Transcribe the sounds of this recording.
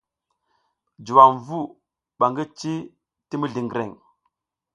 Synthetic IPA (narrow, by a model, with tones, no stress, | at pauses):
d͡ʒu˨wa˨mvu˦˨ | ɓa˨ŋɡi˦t͡ʃi˦ | ti˦mi˦ɮi˨ŋɡɾḛ˨ŋ